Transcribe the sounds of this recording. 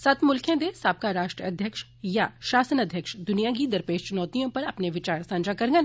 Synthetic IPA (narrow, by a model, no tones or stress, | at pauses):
sɐt̪mʊlkʰẽd̪esaːp̚kaɾaːʃʈɾəɐd̪ʱjəkʃ | jaʃaːsənɐd̪ʱjəkʃd̪ʊnijaɡid̪ɐɾpeːʃt͡ʃʊnɔːt̪ijõpɐɾɐpneʋɪt͡ʃaːɾsãːnd͡ʒakɐɾɡən